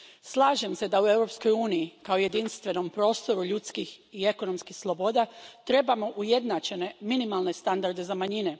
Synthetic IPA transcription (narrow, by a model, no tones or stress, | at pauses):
slˠaːʒe̞mse̞d̪aue̞wɾo̞psko̞juːnijikaoje̞d̪inst̪ʋe̞no̞mpɾo̞ːst̪o̞ɾuʎut̪skixie̞ko̞no̞mskixslˠo̞bo̞ːd̪at̪ɾe̞bamo̞ʔuje̞d̪nat͡ʃe̞ne̞minimalˠne̞st̪and̪aɾd̪e̞zamaɲine̞